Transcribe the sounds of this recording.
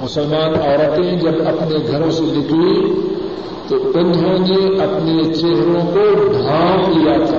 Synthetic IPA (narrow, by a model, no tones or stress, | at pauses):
mʊsəlmaːnɔːɾɐt̪eɦɛ̃d͡ʒɐbɐpneɡʱɐɾõselɪkʰli | t̪obɐ̃nd̪ʱõneɐpnet͡ʃeɦɾõkoɖʱaːnlijat̪ʰaː